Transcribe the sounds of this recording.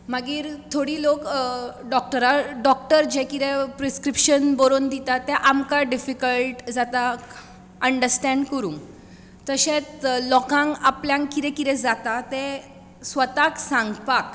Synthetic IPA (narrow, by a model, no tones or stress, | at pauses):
maɡiːɾt̪ʰoɽiːlokɖɔk̚ʈəɾaɖɔk̚ʈəɾd͡ʑɛkid̪ɛ̃pɾeskɾipɕənbəɾond̪it̪at̪ːɛ̃ʔamkaɖifikəlʈd͡zat̪ak | əɳɖəɾsʈɛ̃ɳɖkəɾũːŋɡ | t̪əɕẽt͡slɔkãŋɡapljãŋkid̪ɛ̃kid̪ɛ̃d͡zat̪at̪ɛ̃ | sʋət̪aksãŋɡpak